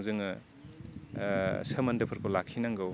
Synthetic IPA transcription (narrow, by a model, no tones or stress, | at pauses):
zɯŋɯ | sɐmɐndɐpʰɐɾkʰolakʰːinaŋɡɯw